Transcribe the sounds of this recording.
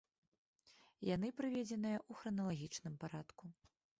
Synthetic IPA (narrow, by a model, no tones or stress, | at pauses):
janɨpɾɨvʲɛd͡zʲɛnɨjɐʔuxɾɐnɐlˠaɣʲit͡ʂnɨmpaɾat̪ku